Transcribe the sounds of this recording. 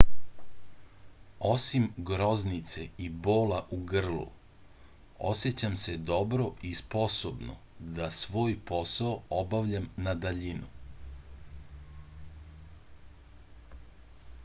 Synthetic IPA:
o̞simɡɾo̞znit̪se̞ibo̞ːlaʔuɡr̩lˠṵ | o̰sjet͡ɕamse̞d̪o̞bɾo̞ʔispo̞sobno̰d̪asʋo̞ːjpo̞saoobaʋʎamnad̪aʎinu

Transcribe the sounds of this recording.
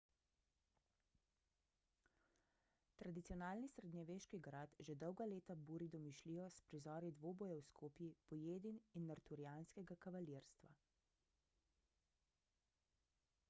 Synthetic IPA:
t̪ɾad̪it̪sijɔnaːlnisɾɛd̪ɲɛʋeːʃkiɡɾat̪ʒɛd̪ɔwɡaleːt̪abuːɾid̪ɔmiʃliːjɔspɾizɔːɾid̪ʋoːbɔjɛwskʰoːpjipɔjeːd̪ininːaɾt̪uɾijaːnskɛɡakaʋaliːɾst̪ʋa̰

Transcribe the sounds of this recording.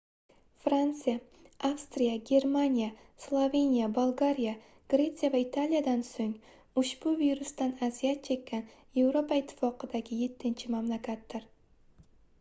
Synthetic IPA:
fɾant̪sɨja | afst̪ɾijaɡʲe̞ɾmanʲija | slˠove̞nijabolˠɡaɾija | ɡ̥ɾe̞t̪sɨjavaɪt̪ʰalijad̪ansoŋ | ʊʃb̥ʊviɾʊst̪anazijat̪̚t͡ʃʰe̞kʲːan | je̞vɾo̞pʰaɪt̪ʰːɪ̥fɒqʰɨd̪aɡʲɪje̞t̪ʰːɪnt͡ʃʰɪmamlˠakʲʰat̪̚d̪ɪɾ

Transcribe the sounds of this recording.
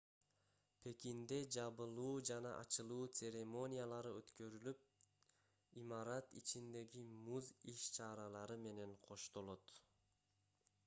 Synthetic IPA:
pʰe̞kind̪e̞d͡ʒɑβɯlˠuːd͡ʒɑnɑ̰ʔɑ̰t͡ʃɯlˠuːt̪sʲe̞ɾʲemo̞nʲijalˠɑɾɯøt̪kø̞ɾylyp̚ | imɑɾɑt̪it͡ʃind̪e̞ɡimuziʃt͡ʃʰɑɾɑlˠɑɾɯme̞ne̞ɴqʰo̞ʃt̪o̞lˠo̞t̪

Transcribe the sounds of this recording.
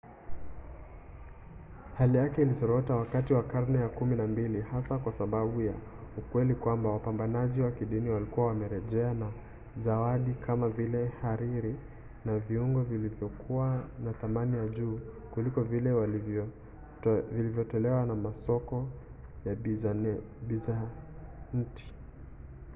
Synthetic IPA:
halijakɛilisɔɾɔtawakatiwakaɾnɛjakuminambilihasakwasaɓaɓuja | ukwɛlikwambawapambanaʄiwakiɗiniwalikuwawamɛɾɛʄɛana | zawaɗikʰamavilɛhaɾiɾi | naviuŋɡɔvilivjɔkʰuwanaθamanijaʄuː | kulikɔvilɛw | vilivjɔtɔlɛwanamasɔkɔja | ɓiza | n̩ti̥

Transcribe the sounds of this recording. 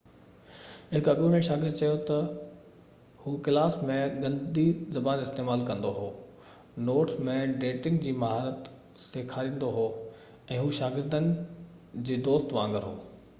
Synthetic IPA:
ɦɪkɐɓjuːnẽʃaːɡɪɾd̪̚t͡ɕɐjot̪ɐ | huːkɪlaːsmẽɡɐ̃nd̪izɐbaːnɪst̪eːmaːlkɐ̃nd̪oɦoː | noːʈʰmẽɖeːʈɪ̃ŋɡd͡ʑiːmɐɦaːɾət̪ | seːkʰaːɾĩːn̆d̪oɦoː | ɛ̃ːɦuːʃaːɡɪɾd̪ənɪ̆ | d͡ʑeːd̪oːst̪ʋãːŋɡəɾɦoː

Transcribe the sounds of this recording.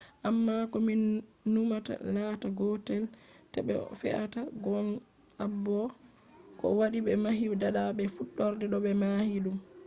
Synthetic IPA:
ʔamːakɔminːumata̰laːtaɡɔtɛltɛ̰ɓɛ̰fɛ̰ʔa̰taɡɔn | abːɔ | kɔ̰waɗiɓɛmaɦidaɗaɓɛfuɗːɔɾdɛɗɔɓɛmahiɗum

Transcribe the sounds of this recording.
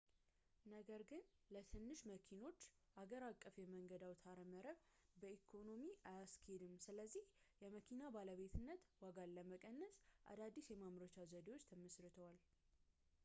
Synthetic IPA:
nəɡəɾɡɨnlət̪ʰɨnːɨʃməkʰino̞t͡ʃː | aɡəɾakʼːəfjɛməŋɡəd̪awt̪ʰaɾəməɾəβbəikʰo̞no̞miajaskʰed̪ɨmsɨləzːih | jɛməkʰinabaləβe̞t̪ʰɨnːət̪waɡalːəməkʼənːəsʔa̰d̪ad̪ːisjɛmamɾət͡ʃazəd̪ewot͡ʃːt̪ʰəməsɾɨt̪ʰəwal

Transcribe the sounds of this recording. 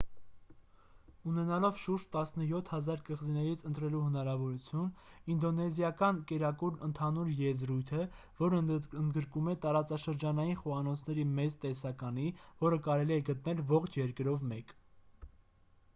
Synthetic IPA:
unɛnɑlɔvʃuɾʃt̪ɑsnəjɔt̪ʰhɑzɑɾkəʁzinɛɾit͡sʰənt̪ɾɛluhənɑɾɑvɔɾut͡sʰjun | ind̪ɔnɛzjɑkɑnkɛɾɑkuɾnənt̪ʰɑnuɾjɛzɾujt̪ʰə | vɔɾənd̪ɡəɾkumɛt̪ɑɾɑt͡sɑʃəɾd͡ʒɑnɑjinχɔɑnɔt͡sʰnɛɾimɛt͡st̪ɛsɑkɑnivɔɾəkɑɾɛliɛɡət̪nɛlvɔχt͡ʃʰjɛɾkəɾɔvmɛk

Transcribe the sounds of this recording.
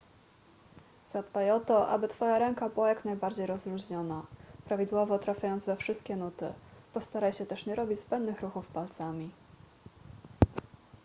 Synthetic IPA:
z̥ad̪bajɔt̪ɔʔa̰bɘt̪fɔjaɾɛŋkabɘwajaknajbaɾd͡ʑejɾɔzɾuʑɲɔnapɾavʲid̪wɔvɔt̪ɾafʲjajɔnd̪zvɛfʂɘst̪̚kʲɛnut̪ɘ̰pɔst̪aɾajɕɛt̪ɛʂɲɛɾɔbʲid͡ʑzbɛnd̪nɘxɾuxufpalt̪samʲi

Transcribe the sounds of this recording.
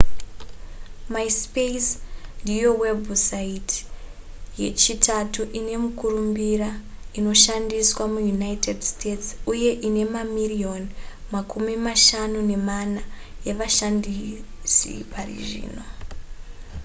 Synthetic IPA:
maispesndijowebʱusait | je̞̰t͡ʃitʰatuʔine̞mukurumbiɾaino̞ʃandiswamujunaitedstetsuje̞ʔine̞mamirio̞nmakʰumimaʃanune̞manajeʋaʃandi | sḭparḭʐḭːno̞

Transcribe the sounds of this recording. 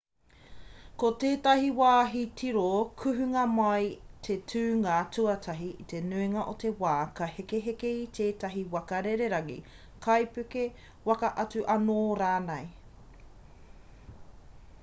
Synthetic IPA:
koteːtɐɦiwaːɦitʰiɾokʰʉɦʉŋɐmɐjtʰetʰʉːŋatʰʉɐtʰɐɦiite̞nʉiŋɐʔote̞waːkɐhekeɦekeitʰeːtɐɦiwɐkɐɾeɾeɾɐŋḭ | kʰɐjpʉke | wɐkɐʔɐt͡sʉʔɐnoːɾaːnej

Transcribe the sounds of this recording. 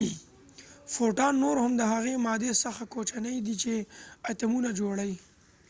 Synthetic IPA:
foʈɑnːoɾhamd̪əɦaɣemɑd̪esaxakot͡ʃanəjd̪it͡ʃeat̪amunad͡ʒoɽai

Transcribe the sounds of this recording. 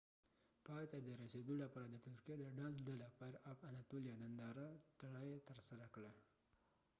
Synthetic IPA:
pɑjt̪ad̪əɾased̪olapɑɾad̪ət̪ʊɾkjed̪əɖɑnsɖalapəɾabanat̪olijɑnand̪ɑɾat̪aɽajet̪əɾsaɾakɽa

